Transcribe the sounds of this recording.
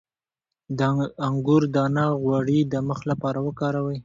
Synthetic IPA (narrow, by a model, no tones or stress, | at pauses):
d̪əaŋɡʊɾd̪ɑnɑɣwaɽid̪əməxlapɑɾawəkɑɾawəj